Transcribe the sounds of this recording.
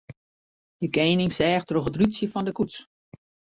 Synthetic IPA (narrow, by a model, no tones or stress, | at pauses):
dəkeːnɪŋsɛːxtroxətrytsjəfɔndəkuts